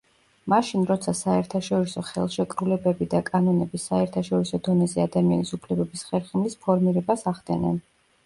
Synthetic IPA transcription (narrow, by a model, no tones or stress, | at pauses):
maʃinɾɔt̪sʰasaɛɾt̪ʰaʃɔɾisɔχɛ̰lˠʃɛkʼɾulɛbɛbid̪akʼanɔnɛbisaɛɾt̪ʰaʃɔɾisɔd̪ɔnɛzɛad̪amianisupʰlɛbɛbisχɛɾχimlispʰɔɾmiɾɛbasaʁd̪ɛ̰nɛ̰n